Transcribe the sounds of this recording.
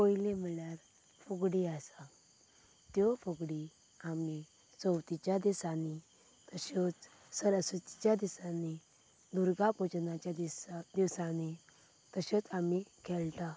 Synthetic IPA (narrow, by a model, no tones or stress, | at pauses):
poilem̤iɭjaɾ | fuɡɽiasa | t̪jɔfɔɡɽi | ami | t͡sɔwt̪it͡ɕjad̪isani | t̪əɕɔt͡s | səɾəsut̪i̥t͡ɕjad̪isani | d̪uɾɡapod͡ʑnat͡ɕjad̪id̪iʋsani | t̪əɕɔt͡samikʰɛlt̪a